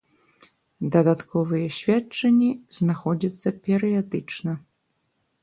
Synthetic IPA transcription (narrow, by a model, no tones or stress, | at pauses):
d̪ɐd̪at̪kɔvɨjɛɕʲvʲat͡ʂɐnʲːiz̥naxɔd͡zʲɐt̪sːɐpʲɛɾɨjad̪ɨt͡ʂnɐ